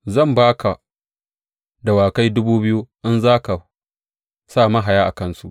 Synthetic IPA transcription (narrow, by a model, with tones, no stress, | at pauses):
zɐ˦˨mbaː˦kʰa˨ | da˨waː˨ka˦jdʊ˦buː˦bɪ˦juː˦ʔɪ˦nzaː˦ka˨ | saː˦˨ma˦ɦa˨jaː˦ʔa˨kɐ˦nsu˦˨ʔ